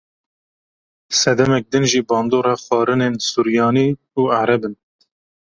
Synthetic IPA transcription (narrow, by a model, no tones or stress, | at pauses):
sɛd̪ɛmɛk̚d̪ɨnʒiːbɑːnd̪oːɾɑːxɑːɾɨnensuɾjɑːniː | uːaɾɛbɨn